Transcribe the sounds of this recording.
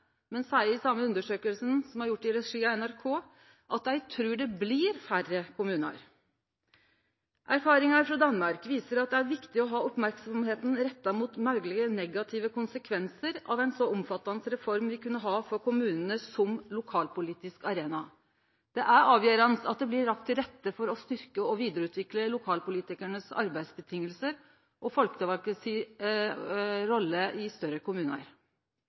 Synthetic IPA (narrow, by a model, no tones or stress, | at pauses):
mɛnsæɪəɾsɑmːəʉnd̪əʂøːkəlsənsɔmhɑɾjʊʈːɪɾɛʂiːɑɛnæɾkʰoː | ʔɑt̪dæɪt̪ʰɾʉːɖɛblɪɾfærəkʰʊmʉːnɑ̰ɾ | ʔæɾfɑːɾɪŋɑɾfɾɑd̪ɑnːmɑɾkʋiːsəɾɑt̪̚d̪ɛæɾʋɪkt̪ɪɔɦɑːɔpmæɾksɔmɦeːt̪n̩ɾɛt̪ːɑmuːt̪mɑʉɡlɪɡənɛɡɑt̪ʰɪʋəkʊnsəkʰʋɛnsəɾɑʋɛɪnsɔʊmfɑt̪ːɑnsɾɛfɔɾmʋɪkʉnːəɦɑːfɔɾkʰʊmʉːnənəsɔmlʊkʰɑːlpʊliːt̪ɪskɑɾeːnɑ | d̪̥ɛʔæɾɑːʋjøːɾɑnsɑt̪̚d̪ɛblɪːɑk̚t̪ʰːɪlɾɛt̪ːəfɔɾɔst̪ʏɾkəɔʋiːd̪əɾəʉːt̪ʰʋɪkləlʊkʰɑːlpʊliːt̪ɪkæɳəsɑ̰ɾbæɪsbət̪ʰɪŋːəlsəɾ | ʔɔfɔlkə̥t̪ɪlʋɑlkəsi | ɾɔlːəɪst̪œɾəkʰʊmʉːnə̰ɾ